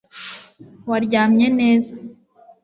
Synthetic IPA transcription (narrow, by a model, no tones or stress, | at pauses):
waɾɟaːmɲe̞ne̞ːza